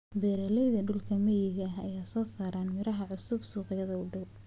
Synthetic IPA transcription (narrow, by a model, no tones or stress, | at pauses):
bɛːɾɐlɛjðɐɖʊlkʰɐmɛjɪɣɐɦɐjaːsɔːsaːɾaːnmɪɾɐɦɐʕʊsʊbsuːqɪjɐðɐʊɖɐw